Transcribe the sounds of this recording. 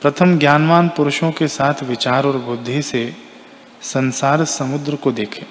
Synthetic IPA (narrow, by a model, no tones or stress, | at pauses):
pɾɐt̪ʰəmɡjaːnʋaːnpʊɾʊʃõkesaːt̪ʰʋɪt͡ʃaːɾɔːɾbʊd̪ʱːise | sɐ̃nsaːɾsɐmʊd̪ɾəkod̪eːkʰeː